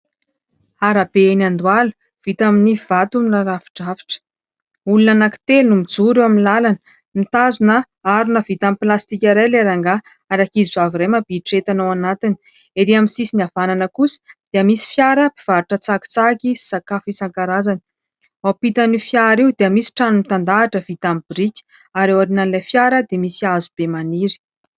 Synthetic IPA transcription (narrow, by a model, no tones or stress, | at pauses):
aɾab̥eenand̪walu̥ | v̥it̪aminiv̥at̪umilaɾavi̥ʈ͡ʂavi̥ʈ͡ʂə̥ | ulunanaki̥t̪elunumid͡zuɾewaminilalanə | mit̪azunə | aɾunəvit̪amiplast̪ikʲaɾajleɾaŋɡa | aɾakizizaviɾeməbiʈ͡ʂet̪anawanat̪ini̥ | eɾiaminsisinavananəkusi̥d̪̥eamisi̥fjaɾəpi̥v̥aɾuʈ͡ʂət͡saki̥t͡sakii̥sakafit͡saŋkaɾazanə̥ | wapit̪anifjaɾiwd̪eəmisi̥ʈ͡ʂanumit̪and̪aːʈ͡ʂəv̥it̪amibiɾikʲi̥ | aɾewaɾinanilajfjaɾəd̪emisiazub̥emaniɾi̥